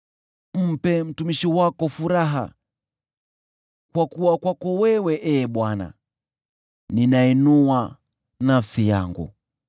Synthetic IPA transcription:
m̩pɛm̩tumiʃiwakɔfuɾaɦa̰ | kwakuwakwakɔwɛwɛʔɛːɓwana̰ | ninainuwa | nafsija̰ŋɡṵ

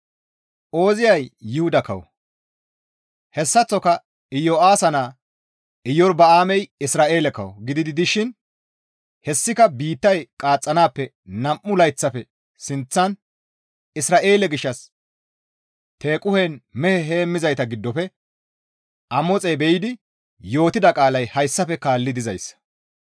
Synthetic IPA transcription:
ʔo̞ːzɪjɐjːɪhʊd̪ɐkɐ̰wɔ̰ | hɛsːɐt͡sːɔkɐ | ɪjːoaːsɐnaː | ɪjːɔɾbɐaːmɛjɪsɾaːʔe̞ːlɛkɐ̰wɔ̰ɡɪd̪ɪd̪ɪd̪ɪʃɪn | hɛsːɪkɐbiːt̪ːɐjkʼaːt͡sʼːɐnaːpːɛ | nɐmʔːʊlɐjt͡sːɐpɛ | sɪnt͡sːɐn | ɪsɾaːʔe̞ːlɛɡɪʃːɐs | t̪e̞ːkʼʊhenmɛhɛɦeːmːɪzɐjt̪ɐɡɪd̪ːɔfɛ | ʔɐmɔt͡sʼɛjbɛjɪd̪ɪ | jo̞ːt̪ɪd̪ɐkʼaːlɐjhɐjsːɐfɛkaːlːɪd̪ɪzɐjsːɐ̥

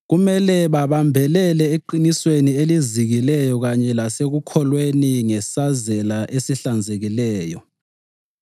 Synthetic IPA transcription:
ɣumɛlɛβaβambʱɛlɛlɛeǃiniswenieliziɣilɛjɔɣaɲɛlaseɣukʰɔlweniŋɛsazɛlaʔesiɬand͡zʱeɣilɛːjɔ̰

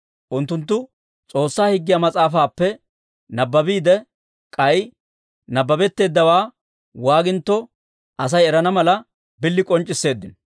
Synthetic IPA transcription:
ʔʊnt̪ːʊnt̪̬ːʊ | t͡sʼo̞ːsːaːhɪɡːɪjamɐt͡sʼaːfaːpːɛ | nɐbːɐbiːd̪ɛ | kʼɐj | nɐbːɐbɛt̪ːe̞ːd̪ːɐwaː | waːɡɪnt̪ːɔ | ʔɐs̬ɐjɛɾɐnɐmɐlɐ | bɪlːɪkʼɔnt͡ʃʼːɪsːe̞ːd̪ːɪn

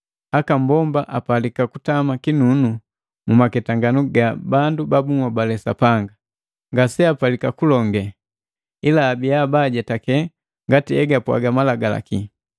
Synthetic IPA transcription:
akam̩bɔmbaʔapalikakutamakinunu | mumakɛtaŋɡanuɡabandubabuŋwabalɛsa̰paŋɡa | ŋɡasɛapalikakulɔŋɡɛ | ilaːbiabaɟatakɛ | ŋɡatiɛɡapwa̰ɡamalaɡala̰ki

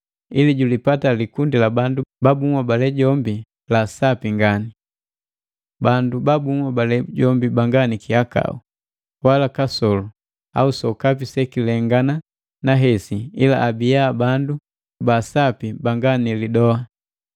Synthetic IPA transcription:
iliɟulipatalikundilabandubabuŋwabalɛɟɔmbi | lasapiŋɡani | bandubabuŋwabalɛɟɔmbibaŋɡanikiaka̰ṵ | walakasɔlu | a̰usɔkapisɛkilɛŋɡana | naɦɛsiila̰ʔːbijabandu | basapibaŋɡanilidɔa

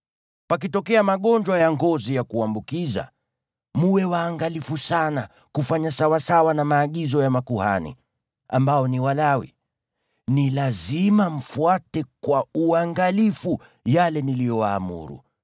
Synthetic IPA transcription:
pak̬itɔkɛamaɠɔɲd͡ʒwajaŋɡɔzijakuambukiza̰ | muwɛwaːŋɡalifusana | kufaɲasawasawanamaːɠizɔjamakuha̰nḭ | a̰mbaɔniwalawḭ | nilazimam̩fuatɛkwauaŋɡalifu | jalɛnilijɔwa̰ːmṵɾṵ

